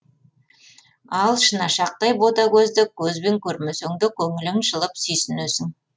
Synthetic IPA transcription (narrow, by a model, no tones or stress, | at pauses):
ɑlˠʃənɑʃɑq̚t̪ɑjbot̪ɑkʲʰɵzd̪ɪkʲʰɵzbe̞ŋkʲʰɵɾmesɵŋd̪ɪkʲʰɵŋɪlɪmʃəlˠəpsʏjsɪnesɪŋ